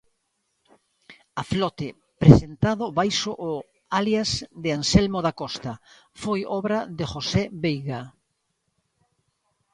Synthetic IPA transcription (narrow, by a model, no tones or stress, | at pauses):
aflɔt̪ɪ | pɾesent̪aðʊβajsoʔː | aljazd̪ɪansɛlmoðakɔst̪ɐ | fojɔβɾaðeʝoseβejɣa